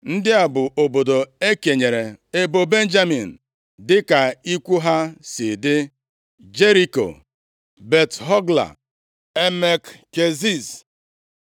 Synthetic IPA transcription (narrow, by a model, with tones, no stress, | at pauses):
n̩˦dɪ˦a˨bʊ˨ʔo˨bo˨do˨e˦ke˨ɲe˨ɾe˨e˦bo˨be˦n̩˦d͡ʒa˦mi˨n̩˨ | dɪ˦ka˨i˦kʷu˦ɦa˦si˨dɪ˦ | d͡ʒe˦ɾi˦ko̰˨ | be˨tɦɔ˦ɡla̰˨ | e˦me˨kke˨zi˦˨s